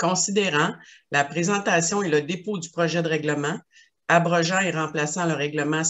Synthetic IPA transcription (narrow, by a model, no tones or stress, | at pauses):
kɔ̃sid̪eʁɑ̃lapʁezɑ̃t̪asjɔ̃eləd̪epod̪ypʁɔʒɛd̪əʁɛɡləmɑ̃ | abʁɔʒãeʁɑ̃plasãləʁɛɡləmɑ̃